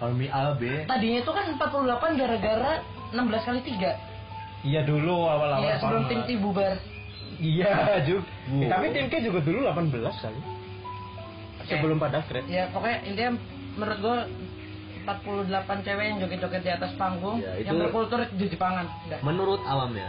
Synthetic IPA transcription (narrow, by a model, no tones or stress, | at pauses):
kamiʔabet̪adiɲait̪ukanəmpat̪̚puludəlapanɡaɾaɡaɾa | ənambəlaskalit̪iɡa | ijaduluawalajwaasəbəlʊmt̪ɪmt̪ibubar | ijad͡ʒu | t̪apit̪ɪmkɛd͡ʒuɡadululapanbəlaska̰li | osəbəlʊmpadakɾɛijapokajaʔint̪ija | məɾʊt̪̚ɡua | əmpat̪̚puludəlapant͡ʃewɛjaŋd͡ʒokɛt͡ʃokɛt̪̚diat̪aspaŋɡʊŋijaŋbərpulut̪uɾʊt̪̚d͡ʒəd͡ʒəpaŋan | ɡamənuɾʊt̪awamɲa̰